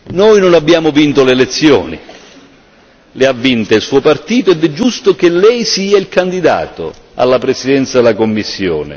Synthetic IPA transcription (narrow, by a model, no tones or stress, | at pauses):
nojnʊnabːjaːmʊvint̪olelet̪sːjɔ̰ːnḭ | lɪavːint̪ailsuːopart̪iːt̪oɛd̪ɛd͡ʒːust̪ok̟elːɛjsiːailkand̪id̪a̰ːt̪o̰ | a̰lːapɾesid̪ɛnt̪sad̪elakomːisːjɔ̰ːnɪ̰